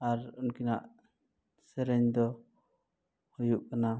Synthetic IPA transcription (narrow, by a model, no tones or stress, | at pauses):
aɾunkinaʔ | sɛɾɛɲd̪ɔ | hujuʔkana